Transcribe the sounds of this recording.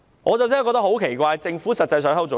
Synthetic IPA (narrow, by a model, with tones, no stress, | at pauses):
ŋɔː˨˧t͡sɐ˨wt͡ssɪ˥kɔː˧t̪ɐ˥ho˨˥wkʰe˨˩jkʷaː˧jt͡sɪ˧ŋfuː˨˥sɐ˨t̚t͡sɐ˧js̬œː˨˧˥ŋhɐ˥wt͡so˨˥